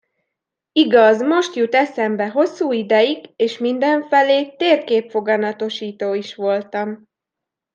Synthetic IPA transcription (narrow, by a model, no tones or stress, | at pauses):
iɡɒzmo̞ʃt̪jut̪ɛsɛmbɛɦo̞sːuːid̪ɛjiɡeːʃmind̪ɛɱfɛleːt̪eːrkeːpfo̞ɡɒnɒt̪o̞ʃiːt̪oːiʃʋo̞lt̪ɒm